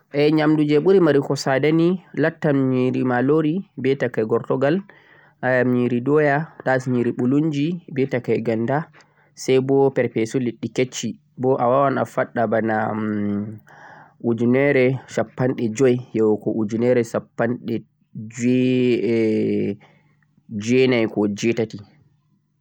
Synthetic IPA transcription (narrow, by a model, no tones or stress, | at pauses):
ʔɛɲamdud͡ʒɛɓuɾimaɾikɔsadanilatːamɲiɾimaloɾibɛtakajɡɔɾtɔɡal | ʔajamɲiɾidɔjatasɲiɾiɓuluɲd͡ʒibɛtakajɡanda | sajbɔpɛɾpɛsuliɗːiket͡ʃːi | bɔʔawawana̰faɗːabana | ʔud͡ʒunɛɾɛʃapːanɗɛd͡ʒɔjjɛwɔkɔʔud͡ʒinɛɾɛsapːanɗɛ | d͡ʒɛ | d͡ʒɛnajkɔd͡ʒɛtati